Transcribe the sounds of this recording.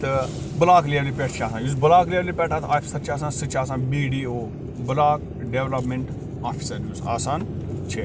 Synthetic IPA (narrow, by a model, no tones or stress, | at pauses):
t̪ɨ | bɐlaːkliəɾlipeʈʰt͡ʃʰiaːsãːnjus̬bəlaːkliəɾlipeːʈaːt̪ʰaːfʰisɐt͡ʃʰaːs̬aːnsɨt͡ʃʰaːs̬aːnbiːɖiːoː | bəlaːk | ɖeːʋlɐpmeɳʈ | aːpʰi̥sɐɾjusa̰ːsaːnt͡ʃʰeː